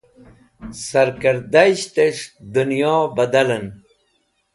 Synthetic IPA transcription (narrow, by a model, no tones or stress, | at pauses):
sɐɾkəɾd̪aɕt̪eʂd̪unjɔːbɐd̪ɐlən